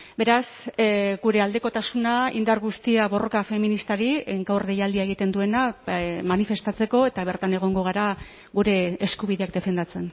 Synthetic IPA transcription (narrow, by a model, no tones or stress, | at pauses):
be̞ɾasɡuɾe̞ald̪e̞ko̞t̪asunaḭnd̪aɾɣust̪iaβo̞ro̞kafe̞minist̪aɾieŋkawrðejald̪iaeɣ̞it̪e̞nd̪ue̞namanife̞st̪at͡se̞ko̞e̞t̪aβ̞e̞ɾt̪ane̞ɣ̞o̞ŋɡo̞ɣ̞aɾa | ɣuɾe̞ːskuβiðe̞ak̚d̪e̞fe̞nd̪at͡se̞n